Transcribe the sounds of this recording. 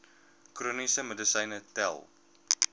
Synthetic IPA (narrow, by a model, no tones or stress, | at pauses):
kruːnisəmədəsɐjnətɛ̰lˠ